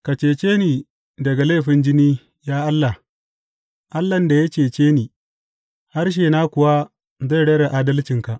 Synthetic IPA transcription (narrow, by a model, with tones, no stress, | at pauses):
ka˨t͡ʃeː˨t͡ʃeː˦niː˨ | dɐ˨ɡa˨leː˦˨ɸɪ˨nd͡ʒɪ˦niː˦ | jaː˦ʔa˦lːa˨ | ʔa˦lːɐ˨nda˨ja˦t͡ʃeː˨t͡ʃeː˦niː˨ | ha˦rʃ̬eː˨na˦kʷʊ˨wa˦ | za˦˨jɽɐ˦ɽa˨ʔaː˦dɐ˦lt͡ʃɪ˨ŋka˨ʔ